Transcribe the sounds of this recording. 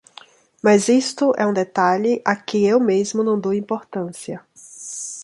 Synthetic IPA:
mɐzist̪ʊʔɛ̰ũd̪et̪aʎɪʔakɪewmezmʊnɐ̃w̃d̪owĩmpoɾt̪ɐ̃siɐ

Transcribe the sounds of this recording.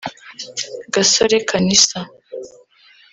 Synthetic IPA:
ɡasoɾekʰanist̪a

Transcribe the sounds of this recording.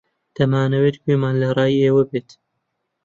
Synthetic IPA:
t̪ɐmaːnɐweːt̪keːmaːnlɐɾɑːjieːwɐbeːt̪

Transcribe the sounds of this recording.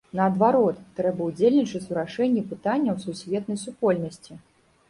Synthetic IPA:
nɐːd̪vaɾɔt̪ːɾɛbɐwud͡zʲelʲnʲit͡ʂɐt͡s̪ʲuɾaʂɛnʲːipɨt̪anʲːɐwsusʲvʲɛt̪̚nɐjsupɔlʲnɐsʲt͡sʲi

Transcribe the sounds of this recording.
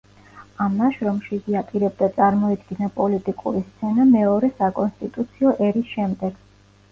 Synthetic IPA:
amnaʃɾɔmʃiziapʼiɾɛb̚d̪at̪sʼaɾmɔid̪ɡinapʼɔlit̪ʼikʼṵɾist̪sʰɛnamɛɔɾɛsakʼɔnst̪ʼit̪ʼut̪sʰiɔʔɛɾisʃɛmd̪ɛɡ̥

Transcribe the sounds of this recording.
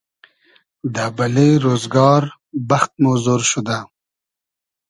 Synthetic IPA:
d̪abalejɾoːzɡɑːɾ | baxt̪̚mozoːɾʃud̪a

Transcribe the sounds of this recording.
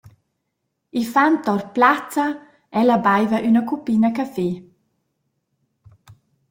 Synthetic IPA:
ifant̪ɔrplat͡sa | ɛlabajvaʔynəkupinakafe

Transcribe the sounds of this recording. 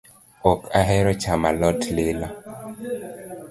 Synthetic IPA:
ɔkaɦɛɾɔt͡ʃamalɔtlɪla

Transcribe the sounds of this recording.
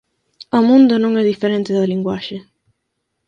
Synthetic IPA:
amund̪onoŋɛd̪ifːeɾɛnt̪ed̪aliŋɡwaʃe

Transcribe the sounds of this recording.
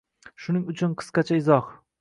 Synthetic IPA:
ʃʊnɪŋʊt͡ʃʰʊnqʰɨ̥sqɑt͡ʃʰaɪzɒh

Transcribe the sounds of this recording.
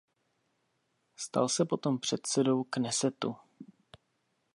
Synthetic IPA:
st̪a̰lsɛpo̞t̪ompr̝̥ɛt̪̚sɛdo̞wknɛsɛt̪u

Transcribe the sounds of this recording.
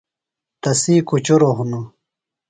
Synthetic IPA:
t̪ɐsiːkut͡ɕuɾoɦunu

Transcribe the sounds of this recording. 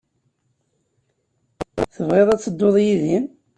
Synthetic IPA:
θəvʁeðˤæt͡sːəd̪ːoðˤjiðim

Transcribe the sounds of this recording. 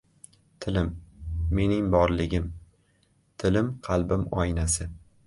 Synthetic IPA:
t̪ʰɪlɪmːe̞nɪŋbɒɾlɪɡʲɪm | t̪ʰɪlɪmqʰɑlˠbɪmɒjnasɪ

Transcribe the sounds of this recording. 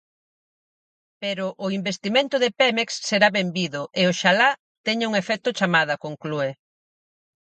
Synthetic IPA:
peɾʊʔʊimbest̪imẽnt̪ʊðepɛmeksːeɾaβembiðʊʔeoʃala | t̪ɛɲɪuŋefɛt̪ʊt͡ʃamaðɐkoŋklue

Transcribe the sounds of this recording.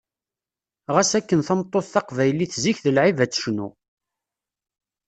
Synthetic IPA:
ʁæsækːənθəmt̪ˤːoθːɑqvæjliθziçðəlʕivæt͡sːə̥ʃnu

